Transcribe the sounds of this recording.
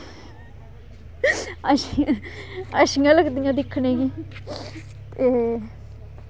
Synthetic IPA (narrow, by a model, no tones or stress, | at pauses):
əʃi | əʃiːãːləɡd̪ijãːd̪ɪkʰːnẽːɡiː | t̪eː